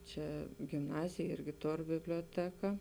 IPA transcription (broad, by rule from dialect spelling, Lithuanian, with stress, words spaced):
ˈt͡ʃʲɛ ɡʲɪmˈnɑːzʲeːj ˈɪrʲɡʲɪ ˈtoːr bʲɪbʲlʲuɔˈtʲæːkɐ